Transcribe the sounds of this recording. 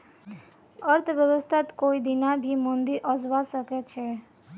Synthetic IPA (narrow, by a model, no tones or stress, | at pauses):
ʌɾt̪ʰəbjəbəst̪ʰat̪koid̪inabʱimond̪iɾʔɔd͡ʒwasəket͡ʃʰe